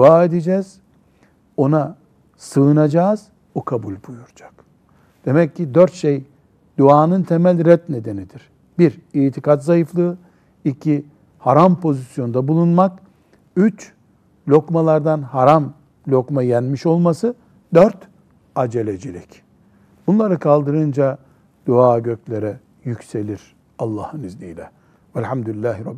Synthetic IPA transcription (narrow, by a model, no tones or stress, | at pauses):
d̪uaːe̞d̪ed͡ʒɛːz̥ | o̞na | sɯɯnad͡ʒaːz̥ | bukʰabulʲbujuɾd͡ʒḁk | d̪̥e̞mɛcʲʰːid̪øɾt̪ʃej | d̪̥uaːnɯnt̪ʰe̞mælʲɾɛt̪ne̞d̪e̞nid̪iɾ̥ | biɾiːt̪ʰikʰat̪zajɯflˠɯː | icʰi | haɾampʰo̞zisjo̞nd̪abulˠunmak | yt͡ʃ | lʲo̞kmalˠaɾd̪anɦaɾam | lʲo̞kmajænmiʃo̞lˠmasɯ | d̪øɾt̪ | ad͡ʒelʲed͡ʒilʲḭc | bunlˠaɾɯkʰalˠd̪ɯɾɯnd͡ʒa | d̪̥uaːɟøcʰlʲeɾɛ | jycse̞lʲiɾ̥ | alˠːaːhɯnizlʲijlʲɛ | vælʲhamd̪ulʲilʲːæːɦiɾɑb